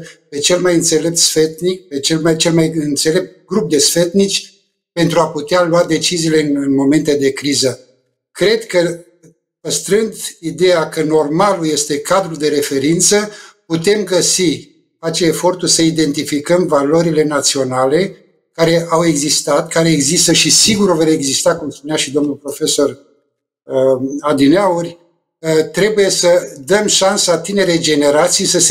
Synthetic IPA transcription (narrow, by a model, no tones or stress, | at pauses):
pe̞t͡ʃe̞lmajɨnt̪se̞le̞p̚t̪sfe̞t̪nik̚pe̞t͡ʃelmajt͡ʃe̞lmajɨnt̪se̞le̞p̚t̪̚ɡɾup̚d̪e̞sfe̞t̪nit͡ʃʲ | pe̞nt̪ɾuaput̪ealuad̪e̞t͡ʃiziːle̞ɨnɨnmo̞me̞nt̪e̞d̪e̞kɾizə | kɾe̞d̪kə | pəst̪ɾɨnd̪id̪e̞jakəno̞rmaluje̞st̪e̞kad̪ɾuld̪e̞ɾe̞fe̞ɾint̪səput̪e̞mɡəsi | at͡ʃeːfo̞rt̪urʲsəid̪e̞nt̪ifikəmvalo̞ɾile̞nat̪sio̞nale̞ | kaɾe̞ʔawe̞ɡzist̪at̪kaɾe̞ːɡzist̪əʃisiɡuɾveɾe̞ɡzist̪akumspuneaʃid̪o̞mnulpɾo̞fe̞so̞r | ad̪ineaurʲ | t̪ɾe̞buje̞səd̪əmʃansat̪ine̞ɾed͡ʒe̞ne̞ɾat̪sijsəse